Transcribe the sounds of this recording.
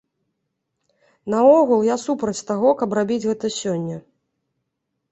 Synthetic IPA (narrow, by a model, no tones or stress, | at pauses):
nɐɔɣulˠjasupɾɐt͡sʲt̪aɣɔkɐprabʲid͡zʲɣɛt̪ɐsʲɔnʲːɐ